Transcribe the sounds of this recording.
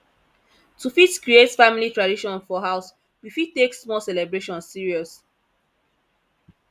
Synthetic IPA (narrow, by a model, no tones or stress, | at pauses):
tufitkɹietfamilitɹadiʃɔ̃nfɔɦaʊs | wifittːeksmɔlsɛlɛbɹeʃɔ̃nsːiɹiɔs